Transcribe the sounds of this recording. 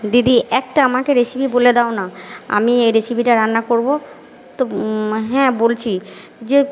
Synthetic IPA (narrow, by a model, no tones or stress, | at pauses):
d̪id̪iʔɛk̚ʈaamakeɾeʃibʱiboled̪ɛonaa̰miejɾesibʱiʈaɾanːakoɾbo | t̪oɦɛ̃bolt͡ɕʰi | d͡ʑe